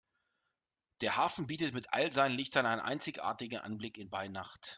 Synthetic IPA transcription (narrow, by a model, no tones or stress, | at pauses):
d̥eːɐhaːfn̩biːtətmɪtʔa̰lzaɪnənlɪçtɐnaɪnənʔa̰ɪnt͡sɪçʔa̰ːɐtɪɡŋ̩ʔa̰nblɪkɪnbaɪnaχt